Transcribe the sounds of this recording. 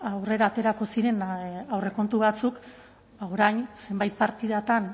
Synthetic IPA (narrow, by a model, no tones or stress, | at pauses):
awre̞ɾaːt̪e̞ɾako̞siɾe̞nawre̞ko̞nt̪uβat͡suk | aoɾajnse̞mbajt̪̚paɾt̪iðat̪an